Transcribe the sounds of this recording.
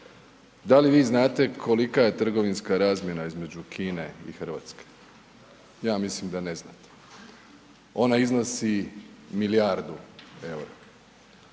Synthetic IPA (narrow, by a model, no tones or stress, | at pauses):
d̪aliʋiːznaːt̪e̞kʰo̞likaje̞t̪r̩ɡo̞ʋinskaɾaːzmʲje̞naizme̞d͡ʑukʰiːne̞ḭxr̩ʋa̰ːt̪ske̥ | jaːmislimd̪ane̞znat̪e̥ | o̞naizno̞similijaɾd̪uewɾa